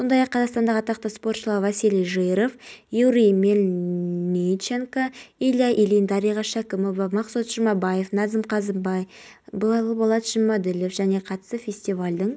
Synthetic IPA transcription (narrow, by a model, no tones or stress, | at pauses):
so̞nd̪ɑjɑqʰːɑzɑqst̪ɑnd̪ɑʁɑt̪ɑqt̪ɑspo̞rt̪ʃəlˠɑɾvɑsilʲijʒɨjɾofjuɾijmelʲnʲit͡ʃeŋkailʲjaʔilind̪ɑɾijʁɑʃækʲɪmobɑmɑqsut̪ʒ̥əmɑbɑje̞fnɑzɪmqʰɑzəmbɑjbˠɑjbolˠbɑlˠɑt̪ʒ̥ɪmɑd̪ɪlɪfʒ̥æne̞qʰɑt̪ə̥səfʲe̞sʲt̪ivalʲd̪ɪŋ